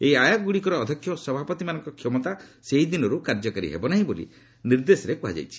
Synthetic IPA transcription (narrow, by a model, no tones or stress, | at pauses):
eiajaɡuɽikɔɾɔːd̪ʱɔkʰːjɔsɔbʱapɔt̪imanɔ̃ŋkɔkʰjɔmɔt̪aseɦid̪inɔɾukaɾd͡ʒɔkaɾḭɦḛbɔnaɦĩbolḭ | niɾd̪esɔɾekuɦa̰d͡ʒa̰jt͡ʃʰi̥